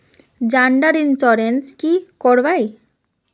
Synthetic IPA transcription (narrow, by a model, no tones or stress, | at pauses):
d͡ʑaɳɖaɾinsɔɾenskikɔɾbaj